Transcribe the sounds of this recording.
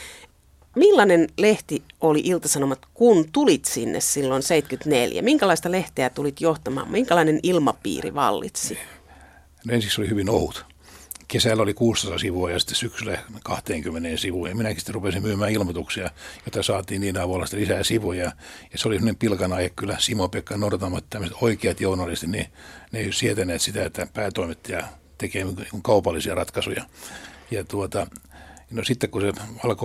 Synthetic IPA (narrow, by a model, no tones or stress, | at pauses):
milːɑnenleht̪iʔoliʔilt̪ɑsɑnomɑt̪kunt̪ulit̪sinːḛssilːonseit̪kyt̪neljæ̰miŋkælɑist̪ɑleht̪eæt̪ulit̪joht̪ɑmɑ̰ːmmiŋkælɑinenilmɑpḭːrḭʋɑ̰lːḭt̪si | noensiksolihyʋinohut̪ | kesælːolikuːst̪ɑsɑsiʋuɑjɑsi̥t̪ːe̥ssyksylækɑht̪eːŋkymːeneːnsiʋuːjɑminækisi̥t̪ːerupesimmyːmæːilmot̪uksiɑjot̪ːɑsɑːt̪iːnniːnɑʋulɑsit̪ːelisæːsiʋujɑjɑseolisemonempilkɑnɑihekkylːæsimopekːɑnourɑt̪ɑmːɑt̪t̪æmːøset̪oikeɑt̪jounɑlist̪it̪nineeisiet̪æneːt̪sit̪æet̪ːæpæːt̪oimet̪ːijɑ | t̪ekeːniikuŋkɑupɑlːisiɑrɑt̪kɑsujɑjɑt̪uot̪ɑnosit̪ːekkuseʋɑlko